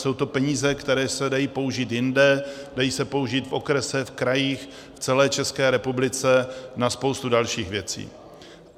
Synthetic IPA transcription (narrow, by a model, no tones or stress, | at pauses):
so̞wt̪o̞pɛɲiːzɛkt̪ɛɾɛːsɛdajiːpo̞uʒiːt̪jɪndɛd̥ajiːsɛpo̞uʒiːt̪fo̞kɾɛsɛfkɾajiːx | ft͡sɛlɛːt͡ʃɛskɛːɾɛpublɪt͡sɛnaspowst̪udalʃiːxvjɛt͡sḭː